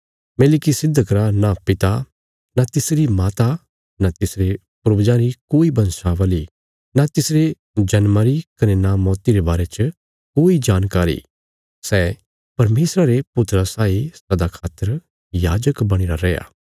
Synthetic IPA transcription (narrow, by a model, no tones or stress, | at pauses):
melɪkisɪd̪ʱːəkɾanapɪt̪a | nat̪ɪsɾimaːt̪a | nat̪ɪsɾe | pʊɾbd͡ʒãɾikoːibɐ̃nsaʋaːli | nat̪ɪsɾe | d͡ʒɐnmaɾikɐnɛnamɔːt̪iɾebaːɾet͡ʃə | koːid͡ʒaːnkaːɾḭ | sɛː | pɐɾmeːsɾaɾepʊt̪ɾasaːisɐd̪akʰaːt̪əɾ | jaːd͡ʒəkbɐɽ̃iɾaɾɛːja̰ː